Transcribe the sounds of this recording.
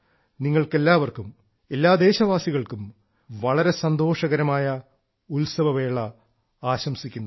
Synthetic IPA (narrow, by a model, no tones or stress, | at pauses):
niŋːɐɭke̞lːaːʋɐrkum | e̞lːaːd̪e̞ːɕɐʋaːsiɣɐɭkum | ʋɐɭɐɾe̞sɐnd̪o̞ːʂɐɣɐɾɐmaːjɐ | ulsɐbɐʋe̞ːɭɐ | aːɕɐmsikʲːunː